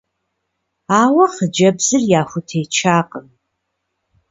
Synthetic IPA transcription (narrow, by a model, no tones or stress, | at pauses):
aːwɐχəd͡ʒɐbzɨrjaːxʷʊtʰejt͡ʃʰaːqʼəm